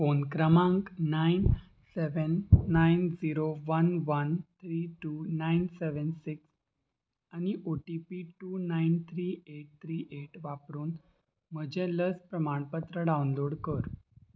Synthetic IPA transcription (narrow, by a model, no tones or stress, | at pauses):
fonkɾəmãŋkːain | seʋənːajnd͡ziɾoʋənʋənt̪ʰɾiʈunajnseʋənsiks | aniʔoʈipiʈunaint̪ʰɾieʈ̚t̪ʰɾiːʔeʈʋapɾuːn | m̤əd͡ʑɛləspɾəmaɳpət̪ɾəɖawnloɽkəɾ